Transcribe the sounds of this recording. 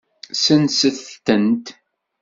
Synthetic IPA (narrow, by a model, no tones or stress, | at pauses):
sənsəθənt̪